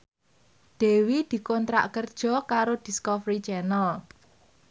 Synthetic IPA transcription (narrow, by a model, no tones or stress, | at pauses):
d̪̥e̤wid̪̥i̤kɔnt̪ɾa̰ʔkərd̥ʒ̥ɔ̤kaɾod̪̥i̤skɔfɾit͡ʃɛnəl